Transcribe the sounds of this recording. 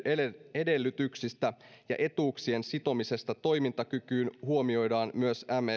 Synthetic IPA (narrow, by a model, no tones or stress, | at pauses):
e̞de̞lːyt̪yksist̪æ | jɑ̰ʔe̞t̪uːksie̞nsit̪o̞mise̞st̪ɑt̪o̞jmint̪ɑkykyːnhuo̞mio̞jdɑːnmyøsæme